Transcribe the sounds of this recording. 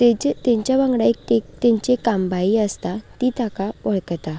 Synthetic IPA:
t̪ed͡ʑt̪eɲt͡ɕjaʋãŋɡɽaek̚t̪et̪ẽɲt͡ɕekambaiːəst̪at̪it̪akaʋəɭkt̪a

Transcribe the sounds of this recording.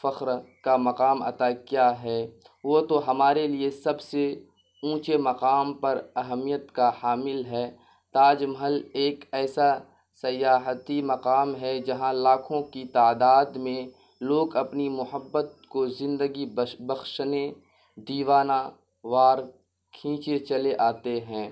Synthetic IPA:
fɐqɾkamɐqaːmɐ̰t̪akjaːɦɛː | ʋot̪oɦɐmaːɾeliesɐbse | ũːt͡ʃemɐqaːmpɐɾɐɦəmijət̪kahaːmɪlɦɛː | t̪aːd͡ʒmɦəleːkɛːsa | sɐjaːɦt̪imɐqaːmɦɛd͡ʒɐɦãlaːkʰõkit̪aːd̪aːd̪mẽ | loːɡɐpnimʊɦəbːət̪̚kozɪ̃nd̪əɡibɐxʃne | d̪iːʋaːna | ʋaːɾ | kʰĩːt͡ʃet͡ʃɐleʔaːt̪eɦɛ̃ː

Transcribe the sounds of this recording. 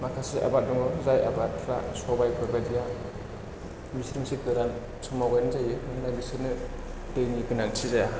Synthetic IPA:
makʰasa̰ʔa̰bat̚dɔŋɔzaja̰bat̚ʰɾa̰sɔbajkʰɯɾbadija | bisɾiŋsikɯɾan | sumawɡajnzajɯmɯnɯnajbisɯnɯ | tejnikɯnaŋtʰizaja

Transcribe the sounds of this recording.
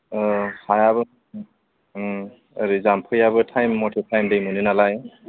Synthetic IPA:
hajabɯ | aɾizampʰɯjabɯtʰajmːɔtʰetʰajmdɯjmɯninalaj

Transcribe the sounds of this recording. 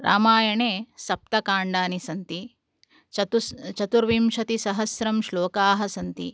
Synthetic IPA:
ɾʔa̰ːmaːjɐɳeːsɐp̚t̪ɐkaːɳɖaːnisɐnt̪i | t̪t͡ʃɐt̪uɾʋiːmʃɐt̪isɐɦɐsɾɐmʃloːkaːɦɐsɐnt̪ḭ

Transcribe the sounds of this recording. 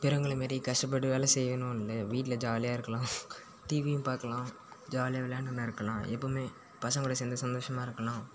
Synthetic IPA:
pɛɾɯŋɡɐɭɐmeːɾikɐʂʈɐp̬ːɐɽɯʋeːlɐsɛjʋɐnʊ̃ɐnlːɐʋiːʈːɪlɐd͡ʒaːlɪjaːɪɾɯkːɐlãː | t̪iːʋijʊ̃mpaːɾkɐlãː | d͡ʒaːlɪjaːʋɛljaːnɐnːɐɪɾɯkːɐlãːʔɛpːoːmeː | pɐsɐ̃ŋɡʊːɽɐs̬ɛːnd̪ɐsɐnd̪oːʂɐmaːɪɾɯkːɐlãː

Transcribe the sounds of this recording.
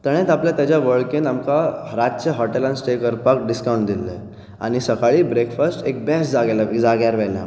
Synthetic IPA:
t̪əɽ̃ẽt̪apljat̪jat͡ɕjaʋəɭkenamkaɾat͡ɕəɦɔʈelãnsʈekəɾpak̚ɖiskawũɳʈ̚d̪ilːḛ | a̰ɽ̃isəkaɭiːbɾekfəsʈek̚bɛsd͡zaɡlad͡zaɡjaɾʋɛlja̰

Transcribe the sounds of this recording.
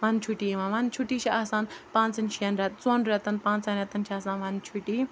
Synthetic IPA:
ʋaːnt͡ʃʰuʈiːʋãʋaːnt͡ʃʰuʈiːt͡ʃʰiʔaːsãːnpãːnt͡sɐnʃʰiɐnɾʲɐt̪̚t͡sõːnɖɾʲet̪ɐnpãːnt͡sɐnɾʲet̪ɐnt͡ʃʰaːsãːnʋaːnt͡ʃʰuʈiː

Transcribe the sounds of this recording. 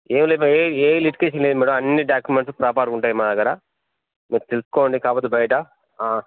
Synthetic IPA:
eːmileimaeeːliʈkeːʃ̬ɐnled̪umiːɽoɐnːiɖaːkjumeɳʈspɾaːpaːɾuɳʈaːjimaːd̪ɐɡɐɾa | miːɾut̪elusu̥koːɳɖikaːpoːt̪ebɐjɐʈɐ | aː

